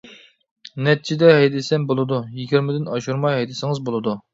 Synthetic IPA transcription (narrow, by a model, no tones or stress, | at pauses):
nɛt̪̚t͡ʃʰid̪ɛɦɛjd̪ɪsɛmbolˠɨd̪ujiɡʲiɾmɪd̪ɪnɑʃuɾmɑjɦɛjd̪ɪsɪŋɨzbolˠɨd̪u